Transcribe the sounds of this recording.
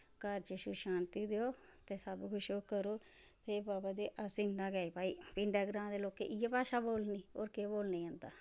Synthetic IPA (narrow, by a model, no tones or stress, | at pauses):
kəɾt͡ʃəʃuʃaːnt̪iːd̪eoːt̪eːsəbkʰʊʃoːkəɾoː | t̪ʰeːbaːbaːd̪eːʔasiːnãːɡaːeːpaːiːpɪɳɖaːɡɾãːnd̪eːloːkḛːʔijaːpaːʃaːboːlniːo̰ːɾkeːboːlniːãːnd̪aː